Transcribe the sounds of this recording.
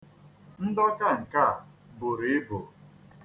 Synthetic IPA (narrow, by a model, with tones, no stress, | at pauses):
n̩˦dɔ˦ka˦˨ŋ̩˨ka˦a˨bʊ˨ɾi˨ɪ˦bʊ˨